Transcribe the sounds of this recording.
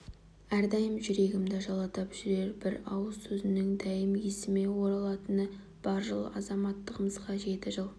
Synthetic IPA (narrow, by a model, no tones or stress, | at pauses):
æɾd̪ɑjəmʒʏɾe̞ɡʲɪmd̪ɪʒɑlˠɑt̪ɑpʒ̥ʏɾe̞ɾbɪɾɑwəzsɵzɪnɪŋd̪æjɪmjesɪme̞wo̞ɾɑlˠɑt̪ənə | b̥ɑɾʒəlˠə̰ʔɑzɑmɑt̪ːəʁəməzqɑʒe̞t̪ɪʒəlˠ